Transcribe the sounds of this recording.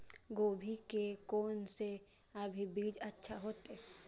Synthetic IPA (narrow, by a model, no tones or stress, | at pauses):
ɡoːbʱikekoːnse | əbʱibiːd͡ʒətːʃʰaɦoːt̪e